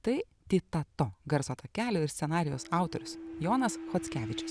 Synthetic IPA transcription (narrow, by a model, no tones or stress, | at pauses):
t̪ɐɪ | t̪ʲit̪ɐt̪oɡɐɾsoːt̪ɐkʲæːlʲʊːɪɾst̪sʲɛnɑːɾʲɪjoːsɑˑʊt̪ɔɾʲʊsjoːnɐsxɔt̪sʲkʲæːʋʲɪt͡ʃʲʊ̥s